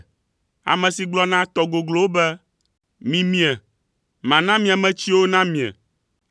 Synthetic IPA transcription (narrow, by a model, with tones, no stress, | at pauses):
a̰˨mɛ̃˨si˨ɡ͡blɔ˦nã˦t̪ɔ˨ɡo˨ɡlo˦wo˦bɛ˦ | mĩ˨mĩ˦ɛ˨ | mã˨nã˦mĩ˦a˨mɛ̃˦t͡ɕi˦wo˦nã˦mĩ˨ɛ̰˨